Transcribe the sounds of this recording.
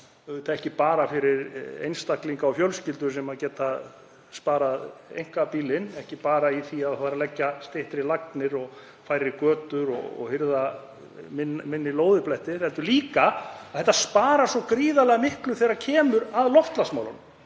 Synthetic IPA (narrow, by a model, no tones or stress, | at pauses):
t̪ʰaðɾɛhcɪpaːɾafɪɾɪɾḛjnst̪ahkliŋkaɔwfjœlscɪlt̪ʏɾ̥sɛmaðcɛːt̪a | spaːɾaðḛjŋ̥kapiːlɪnɛhcɪpaːɾaiθiaðfaːɾalɛcːast̪eht̪ɪɾilaknɪɾɔɣ | fajɾɪkœːt̪ʏɾɔ̰ɣɔ̰ɣhɪɾða | mɪnmɪnːɪloːwðɪplɛht̪ɪθɛlt̪ʏɾliːkaaðθɛht̪ːaspaːɾasɔkɾiːðalɛɣamɪhklʏθejɾaɾcʰɛːmʏɾaðlɔft̪lasmawlan